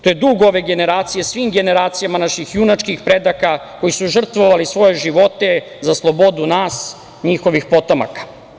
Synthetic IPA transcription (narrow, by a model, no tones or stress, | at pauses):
t̪ojed̪uɡo̞ʋe̞ɡe̞ne̞ɾaːt̪sijesʋiːmɡe̞ne̞ɾaːt̪sijamanaʃixjunat͡ʃkixpɾe̞d̪akako̞jisuʒr̩t̪ʋoʋalisʋo̞je̞ʒiʋo̞t̪e̞ | zaslˠo̞bo̞d̪unaːs | ɲixo̞ʋixpo̞t̪oma̰kḁ